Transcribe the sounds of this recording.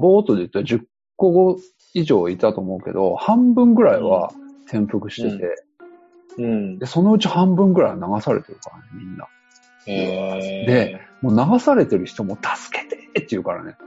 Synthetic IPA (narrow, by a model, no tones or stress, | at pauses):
bo̞ːt̪o̞d̪eɯ̟t̪ːaʑɨkː | o̞ɡo̞ | iʑo̞ːit̪at̪o̞ːmo̞ɯke̞̰d̪o̞hãmbɯ̟̃ŋɡɯ̟ɾaiβa̰t̪ʰẽ̞mpɯ̟kɯ̟ɕi̥t̪e̞t̪e̞ | d̪e̞so̞no̞ɯ̟t͡ɕihãmbɯ̟̃ŋɡɯ̟ɾaiβanaɡasaɾe̞̰t̪e̞ɾɯ̟kaɾanemʲĩnːa̰ | d̪e̞moːnaɡasaɾe̞t̪e̞ɾɯ̟çi̥t̪o̞mo̞t̪ʰḁsɨ̥ke̞̥t̪e̥t̪ːeiɯ̟kaɾa̰ne̞